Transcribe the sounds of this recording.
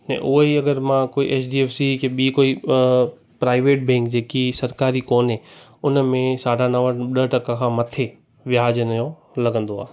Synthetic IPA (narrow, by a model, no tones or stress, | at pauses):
nɛ̰̃ʔʊɦiɐɡəɾmãkoːiʔeːt͡ʃɖiːeːfsikʰeɓikoːi | pɾaːɪʋeːʈ̚bẽːŋkd͡ʑeːkisɐɾkaːɾikoːnɦẽ | ʊnmẽsaːɖʱãnɐʋə̃ɗəʈɐkãkʰãːmɐt̪ʰe | ʋjaːd͡ʑənɐjõ | lɐɡə̃nd̪oa̰ː